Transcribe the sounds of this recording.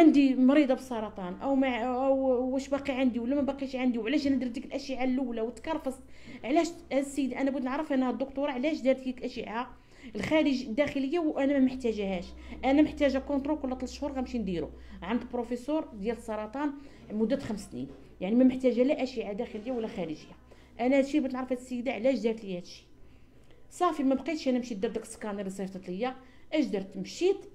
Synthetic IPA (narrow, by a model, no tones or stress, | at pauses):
ʕand̪imɾid̪ˤɑbəsˤːɑɾˤɑt̪ˤɑnʔæwmæʔwæʃbɑqiʕand̪iwəlːæmæbɑqiʃʕand̪iwʕlæʃʔænæd̪iɾd̪ikəlʔæʃəʕalːæwlæwət̪ːkɑɾˤfɑsˤ | ʕlæʃhæd̪sːəjd̪iʔænæbʊd̪nəʕɾəfʔænːhæd̪ːʊkt̪uɾˤɑʕlæʃd̪æɾd̪ikkʔæʃəʕa | əlxæɾəʒd̪ːæxələjːawʔænæmæməħt̪æʒhæʃ | ʔænæməħt̪æʒækõnt̪ɾolkʊlːæt̪ˤlt̪ʃhuɾɣæmʃind̪iɾṵʕand̪pɾofesuɾd̪jæləsˤːɑɾˤɑt̪ˤɑn | mʊd̪ːæt̪xəmst̪nḭn | jaʕnimæməħt̪æʒælæʔæʃiʕad̪æxələjːawəlːæxæɾəʒəjːa | ʔænæhæd̪ʃibət̪nʕɾəfhæd̪sːəjːd̪aʕlæʃd̪iɾt̪lihæd̪əʃːi̥ | sˤɑfimæbqit̪ʃʔænæmʃid̪ɑɾˤd̪ækskɑnəɾisˤeft̪ɑt̪ləjːa | ʔəʒd̪ɑɾˤt̪mʃit̪